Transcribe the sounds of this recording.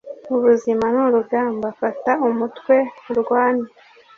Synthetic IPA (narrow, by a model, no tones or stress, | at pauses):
uβuzimanuɾuɡɡaːmbafataumutkwe̞ɾɡwaːna